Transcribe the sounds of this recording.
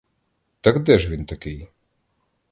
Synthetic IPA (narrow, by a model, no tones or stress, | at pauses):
t̪ɐkd̪ɛʒʋʲint̪ɐkɪj